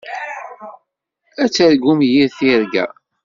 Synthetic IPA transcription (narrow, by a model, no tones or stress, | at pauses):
æt͡sːəɾɡumjiɾθiɾɡæ̰